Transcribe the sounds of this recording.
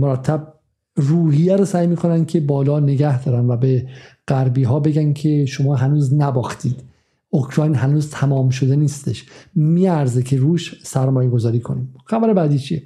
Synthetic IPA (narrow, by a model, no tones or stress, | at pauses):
moɾæt̪ʰːæb̚ | ruːhijæɾosæːjmiːkʰo̞næncʰe̞bɒːlɒːne̞ɡæhd̪ɒːɾænvæbeɢ̥æɾbiːɦɒːbe̞ɡæncʰe̞ʃo̞mɒːɦænuːznæbɒːxt̪ʰiːd̪̥ | okʰɾɒːjnɦænuːzt̪ʰæmɒːmʃ̬o̞d̪e̞niːst̪e̞ʃmiːæɾzecʰeɾuːʃsæɾmɒːjeɡozɒːɾiːkʰo̞niːmxæbæɾebæːd̪iːt͡ʃʰie